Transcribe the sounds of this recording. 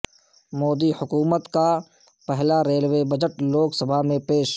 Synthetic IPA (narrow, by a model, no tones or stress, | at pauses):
moːd̪ihʊkuːmət̪ka | pɛɦlaɾeːlwebəd͡ʒəʈloːksəbʱaɦmẽpeːʃ